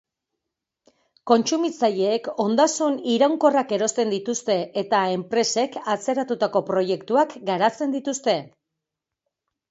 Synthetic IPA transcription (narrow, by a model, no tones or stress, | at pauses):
ko̞nt͡ʃumit͡saʎeːko̞nd̪asuniɾawŋko̞rake̞ɾo̞st̪e̞nd̪it̪ust̪e̞ʔet̪ae̞mpɾe̞se̞kʰat͡se̞ɾat̪ut̪ako̞pɾo̞je̞kt̪uakɡaɾat͡se̞nd̪it̪ust̪e̞